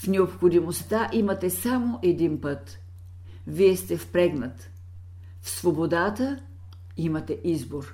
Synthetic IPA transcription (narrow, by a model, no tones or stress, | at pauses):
fnɛopxod̪imost̪aʔimɐt̪ɛsamoʔɛd̪inpɤt̪ | viɛst̪ɛfpɾɛɡnət̪ | fsvobod̪at̪ə | imɐt̪ɛʔizboɾ